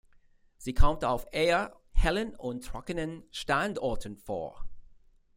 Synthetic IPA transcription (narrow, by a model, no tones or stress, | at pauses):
z̥iːkʰɔmta̰ʊfeə | hɛlənʊ̃ntʰɹɔ̰kənənʃtandɔːtʰən̩fo̰ːɐ